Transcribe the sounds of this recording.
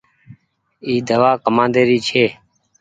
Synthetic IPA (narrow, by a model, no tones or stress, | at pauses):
iːd̪əʋaːkəmãːnd̪eːɾiːt͡ʃʰeː